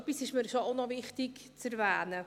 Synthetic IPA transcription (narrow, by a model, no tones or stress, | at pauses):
pisɪʃməɾʃoaʊnɔvɪχtɪkt͡sɛɾvæːnə